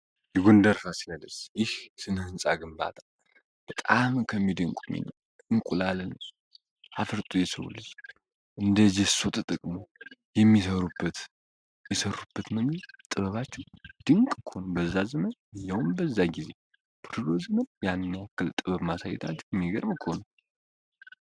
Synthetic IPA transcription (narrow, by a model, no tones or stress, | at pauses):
jɛɡond̪əɾɾasinələsjɪhsɨnhɨnsʼaɡɨmba̰t̪ʰal | b̥ət̪ʼamkʰəmːid̪ɨŋkʷʼumːḭnəw | ɨŋkʼulalən | afɨɾt̪ʼujɛsəwṵlːəs | ʔɨnd̪əd͡ʒɛsot̪ʼt̪ʼɨkʼmojɛmːisəɾubːət̪ | jɛsərːubːət̪məɡit̪ʼɨβəβat͡ʃːɛwd̪̥ɨŋkʼkʰəhonəwbəzːazɨmənɨjːawmbəzːaɡize̞ | b̥ɨɾlozɨmənjanːakːɨlt̪ʼɨβəβmasa̰jːɛ̰t̪ʰa̰t͡ʃːɛwɛmːiɡəɾbkʰhonəw